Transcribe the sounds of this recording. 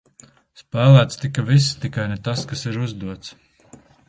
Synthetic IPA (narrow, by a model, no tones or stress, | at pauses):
spæːlˠæːt̪st̪ikavisːt̪ikajnɛt̪askasiɾuzd̪uɔt̪s